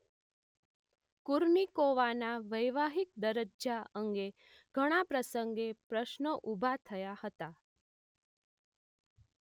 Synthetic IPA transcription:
kuɾmikoʋanaʋəjʋaɦik̚d̪əɾəd͡ʒaʔəŋɡe | ɡ̥ʱəɽ̃apɾəsəŋɡepɾəʃnəʔubʱat̪ʰəjahət̪a

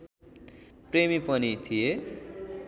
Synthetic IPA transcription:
premipʌnit̪ʰie

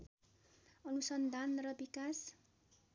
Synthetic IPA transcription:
ʌnusʌnd̪ʱanrʌbikas

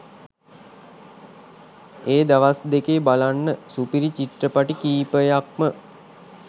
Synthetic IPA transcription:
eːd̪aʋasd̪ekebalanːəsupiɾit͡ʃiʈrəpaʈikiːpəjak̚mə

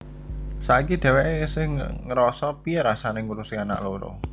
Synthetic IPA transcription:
sakid̪̥ɛ̤weʔesɪŋ̰ŋəɾɔsɔpiɾasanɪŋuɾusiana̰ʔloɾo̰

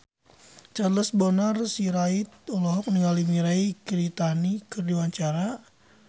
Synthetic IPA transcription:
t͡ʃaləsbɔnarsiɾait̪̚ɔlɔɦɔk̚niŋalimiɾaikiɾit̪anikərdiwaɲt͡ʃaɾa

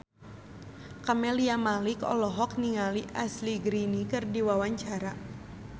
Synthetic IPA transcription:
kamɛliamalikɔ̰lɔɦɔk̚niŋaliʔasliɡɾinikɨrdiwawaɲt͡ʃaɾa

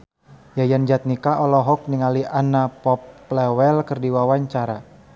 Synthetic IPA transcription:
jajand͡ʒat̪̚nikaʔɔlɔɦɔk̚niŋaliʔanapɔpːlɛwɛlkərdiwawaɲt͡ʃaɾa

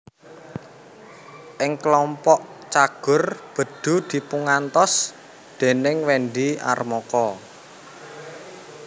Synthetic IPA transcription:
ʔɪŋklɔmpɔʔt͡ʃaɡ̥ʊ̤rb̥ə̤d̪̥ṳd̪̥i̤puŋant̪ɔs | d̪̥e̤nɪŋwɛnɖia̰rmɔkɔ

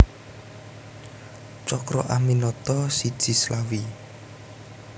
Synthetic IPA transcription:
t͡ʃɔkɾɔ̰ʔaminɔt̪ɔsid̥ʒ̥i̤slawi

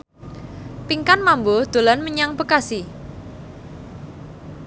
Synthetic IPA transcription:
piŋkanmambod̪̥o̤lanməɲaŋpəkasi

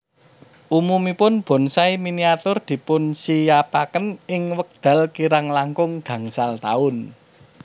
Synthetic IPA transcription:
ʔumumipʊnb̥ɔ̤nsaiminiat̪ʊrd̪̥i̤pʊnsijapakənɪŋwək̚d̪̥ä̤lkiɾaŋlaŋkʊŋɡ̥ä̤ŋsalt̪a̰ʊn

